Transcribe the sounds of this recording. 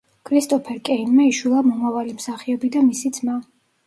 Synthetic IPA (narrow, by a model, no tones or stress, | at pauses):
kʰɾist̪ʼɔpʰɛɾkʼɛinmɛiʃwilˠamɔmavalimsaχiɔbid̪amisid̪zma